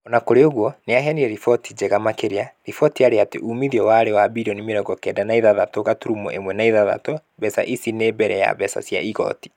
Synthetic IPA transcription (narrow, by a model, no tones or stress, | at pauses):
ɔnakoɾeoɣwɔneaɦɛniɛɾifɔtʰid͡ʑeɣamakeɾeaɾifɔtiaɾeatḛʔumiðiɔwaːɾewabiɾɔnimeɾɔɡɔkɛːdanaiðaðatoɣatuɾumɔ̰ʔemwɛnaiðaða̰to | βɛsa̰ʔisinebɛɾɛja̰βɛsa̰sja̰iɣɔ̰ti̥